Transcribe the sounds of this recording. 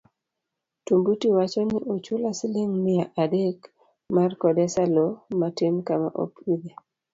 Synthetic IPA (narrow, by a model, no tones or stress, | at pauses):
tumbutiwat͡ʃɔnɪʔot͡ʃulasɪleŋmɪjaʔadek | markɔdɛsalɔmatenkama̰ʔo̰pide